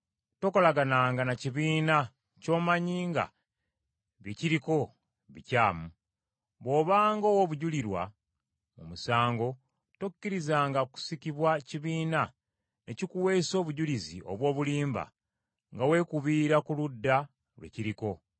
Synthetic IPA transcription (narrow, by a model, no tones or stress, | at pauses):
to̞ko̞laɡanaːŋɡanaciβiːna | co̞ːmaɲiːŋɡa̰ | βjeciɾiko̞ | βḭcaːmu | βwo̞ːβaːŋɡowoβuɟuliɾwa̰ | mumusaːŋɡo̞ | tokːiɾizaːŋɡaku̥sikiβwaciβiːna | ne̞cikuwe̞so̞ːβuɟulizḭo̞̰βwo̞ːβuliːmba̰ | ŋɡawe̞kuβiːɾakuludːa | lwe̞̰ciɾiko̞